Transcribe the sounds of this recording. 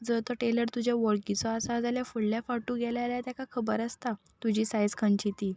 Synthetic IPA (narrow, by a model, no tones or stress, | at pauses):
d͡zət̪əʈeləɾt̪ud͡ʑʱjaʋəɾkit͡sɔasad͡zaljafuɽljafaʈũɡɛljaljat̪jakakʰəbəɾast̪a | t̪ud͡ʑiːsajd͡zkʰəɳt͡ɕit̪iː